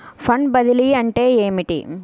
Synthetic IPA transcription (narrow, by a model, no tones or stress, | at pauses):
fɐɳɖbɐðɪliɐɳʈeːeːmɪʈḭ